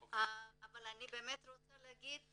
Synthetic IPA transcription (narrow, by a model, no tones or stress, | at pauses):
ɦaabəlanːibemet̪ɾot̪aləɡit̪̚